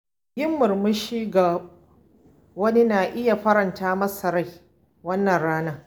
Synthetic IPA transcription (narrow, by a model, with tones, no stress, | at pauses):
jɪ˦mːʊ˨rmʊ˦ʃiː˦ɡa˨ | wɐ˦ni˦naː˨ʔɪ˦ja˨ɸɐ˦ɾɐ˨ntaː˦mɐ˦sɐ˨ɾa˦˨j | wɐ˦nːɐ˨nɽaː˦naː˦